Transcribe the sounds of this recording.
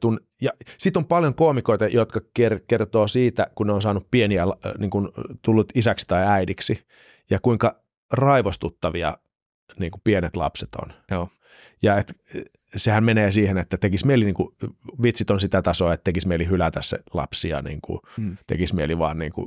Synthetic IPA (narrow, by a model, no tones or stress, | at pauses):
t̪un | jɑsit̪ːompɑljoŋkoːmikoit̪ɑjot̪kɑkerkert̪oːsiːt̪ækunneonsɑːnuppieniælniːŋkunt̪ulːut̪isæksi̥t̪ɑiæidiksi | jɑkuiŋkɑ | rɑiʋost̪ut̪ːɑʋiɑ̰ | niːŋkupienet̪lɑ̰pset̪o̰no | jɑet̪ | sehæmmeneːsiːhenet̪ːæt̪ekismeiliniːŋkuʋit̪sit̪onsit̪æt̪ɑsoːet̪t̪ekismeilihylæt̪æssḛlɑ̰psiɑ̰nḭːŋkṵt̪ḛkismiḛliʋɑ̰ːnnḭːŋkṵ